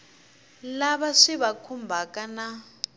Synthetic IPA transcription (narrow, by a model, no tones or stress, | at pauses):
laβaʂiβakʰumbʱakʼana